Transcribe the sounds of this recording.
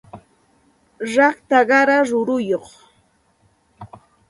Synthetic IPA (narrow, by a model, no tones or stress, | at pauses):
ɾɑχt̪aɢɑɾaɾʊɾʊjoχ